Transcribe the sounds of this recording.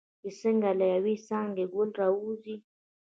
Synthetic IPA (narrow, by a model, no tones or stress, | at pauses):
iseŋɡalajawisaːŋɡeɡulɾauzi